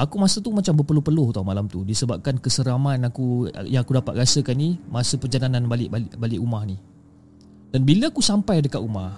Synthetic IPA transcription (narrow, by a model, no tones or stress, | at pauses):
akumasət̪umat͡ʃambəpərlupərluht̪amalamt̪udisəbap̚kankəsəɾamanakṵjaŋakudapat̪̚ɾasəkanːimasəpərd͡ʒalanãnbalɪʔbalʔbalɪʔumahni | danbiləakusampajdəkat̪umah